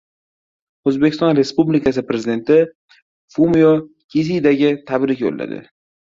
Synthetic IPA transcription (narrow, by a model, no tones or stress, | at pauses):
ozbekʲʰɪst̪ɒnɾe̞spublikʰas̬ɪpɾe̞zɪid̪e̞nt̪ɪ | fumijo | kʲʰis̬id̪aɡʲɪt̪ʰabɾɪkʲjo̰lːa̰d̪ɪ̰